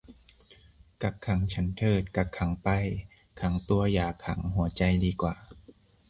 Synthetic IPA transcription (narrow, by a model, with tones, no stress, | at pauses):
ka˧˩kʰa˩˦ŋt͡ɕʰa˦˥nt̪ʰɤː˧˩t̪̚ka˧˩kʰːa˩˦ŋpa˧˩j | kʰa˧˦ŋt̪u˧ɐjaː˨˩kʰa˧˩˦ŋɦu˨˩˦ɐt͡ɕa˧jdiː˧kwaː˨˩